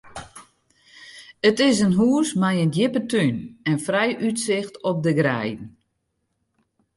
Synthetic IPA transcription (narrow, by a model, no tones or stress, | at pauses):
ətɪs̬ənɦuəsmɛjəndjɪpətʰynɛnfrɛjʔytsɪxtɔp̚dəɡrɛjdn̩